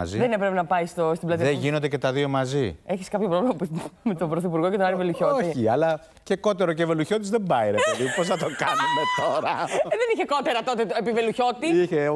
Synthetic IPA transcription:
ɐ̰ziðenepɾepenɐpɐist̪ost̪iblɐt̪iɐeʝinond̪ece̞t̪ɐðio̞mɐzie̞çiskɐpçopɾo̞vliemɐpmet̪obɾoθipuɾɣo̞cet̪onɐɾiveluço̞oiçiɐlɐ | ce̞ko̞t̪e̞ɾo̞ceveluço̞t̪izðembɐjɾeɐðipos̬θɐt̪okɐnumet̪o̞ɾɐðeniçeko̞t̪eɾɐt̪o̞t̪eepiveluço̞t̪iiçe

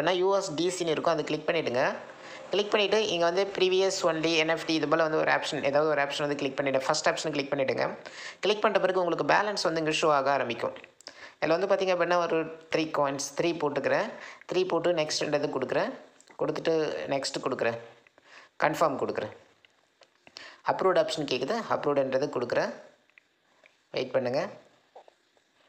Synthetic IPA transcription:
nːaːjuːesɖiːsinɪɾɯkːʊ̃ɐðɯkɪɭɪk̚pɐɳːɪʈːɯŋɡɐ | kɪlɪk̚pɐɳːɪʈːɯʔɪŋɡɐʋɐnd̪ɯpɪɾiːʋijɐsʋɐnliɛnɛfʈiɪðɐpoːlɐʋɐnd̪ɯɔ̰ɾɯa̰ːpʂɐnḛːðaːʋɐðɯɔɾɯaːpʂɐnʋɐnd̪ɯkɭɪk̚pɐɳːɪʈːɐ̃fɐsʈaːpʂɐnkɪɭɪk̚pɐɳːɪʈːɯːŋɡɐ̰kɪlɪk̚pɐɳːrɐpːɐɾɯkːɯʊŋɡɐɭɯk̬ːɯba̰ːlɐnsʋɐnd̪ɯɪŋɡɐʂoːaːɣɐaːɾɐmbɪkʲːʊ̰̃ | ɪlːɐːʋɐnd̪ɯpaːt̪iːŋɡɐpːɐʈːnaːɔɾɯt̪ɪɾiːkoːɪnst̪ɪɾiːpoːʈːɾɯkːɪɾẽt̪ɾiːpoːʈːɯnɛksʈɛnɖɾɐðɯkɔɽɯkːɯɾẽː | kɔɽɯt̪ːɯʈːɯnɛksʈɯkɔɽɯkːɯɾɛ̃ | kɐɳfaːɾmkɔɽɯkːɯɾɛ̃ | ɐpːɾoːɖaːpʂɐnkeːkːɐðɐ̃ɐ̰pːɾoːɖɛnɾɐðɯkɔɽɯkːɯɾɐ̃ | ʋḛɪʈ̚pɐɳːɯŋɡɐ

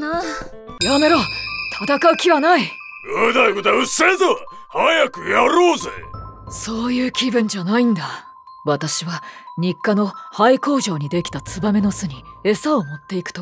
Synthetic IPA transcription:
jame̞ɾo̞t̪ʰat̪akaɯ̟kʲiβanai | ɯd̪aiɡot̪aɯsezo | hajakɯ̟jaɾoːzḛso̞ːjɯ̟ːkʲibɯ̟̃ɲ̟d͡ʑanaĩnd̪a | βat̪aɕiβaɲ̟ikːano̞haiko̞ːʑo̞ːɲ̟id̪e̞kʲi̥t̪at͡sɨbame̞no̞sɨɲ̟ie̞sao̞mo̞t̪ːe̞ikɯ̟̥t̪o̞

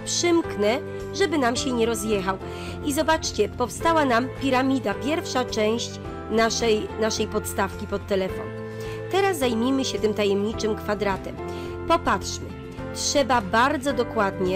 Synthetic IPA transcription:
pʂɘmknɛ | ʐɛbɘnamɕɛɲɛɾɔzjɛxaw | izɔbat͡ʂt͡ɕɛpɔfst̪awanampʲiɾamʲid̪apʲjɛɾfʂat͡ʂɛ̃w̃ɕt͡ɕ | naʂɛjnaʂɛjpɔt̪st̪afkʲipɔt̪ːɛlɛfɔ̰n | t̪ɛɾaszajmʲimɘɕɛt̪ɘmt̪ajɛmɲit͡ʂɘmkfad̪ɾat̪ɛm | pɔpatʂmɘ | tʂɛbabaɾd̪zɔd̪ɔkwad̪ɲɛ

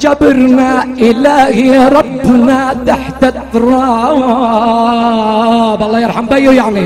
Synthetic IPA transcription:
d͡ʒabɪɾnaʔɪlaːhɪjaɾˤɑbːnat̪aħt̪at̪ˤːɑɾˤɑːw | bʔɑlˤːɑːjɑɾˤħambajʊjaʕni

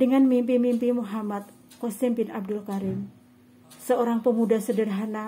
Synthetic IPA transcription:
dəŋanmimpimimpimuɦamat̪̚ | kɔst̪imbɪnab̚dʊlkaɾɪm | səoɾaŋpəmudahsədərɦana

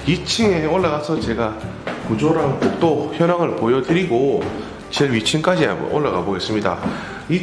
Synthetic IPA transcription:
ɥit͡ɕʰiŋe̞oɭːaɣasʰʌt͡ɕe̞ɡa | kud͡ʑoɾaŋkok̚t͈oçjʌnaŋɯɭpojʌdɯɾiɡo | t͡ɕeɭɥit͡ɕʰiŋk͈ad͡ʑia̰mbʌ̰nʔoɭːaɡa̰boɡe̞s͈ɯmɲida̰ | i

